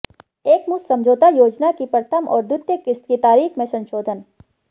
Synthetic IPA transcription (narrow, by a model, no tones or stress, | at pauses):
eːkmussɐ̃md͡ʒʱoːt̪ajoːd͡ʒnakipɾət̪ʰəmɔ̰ːɾd̪ʊt̪jəkɪst̪kit̪aːɾiːxmẽsɐ̃nʃoːd̪ʱən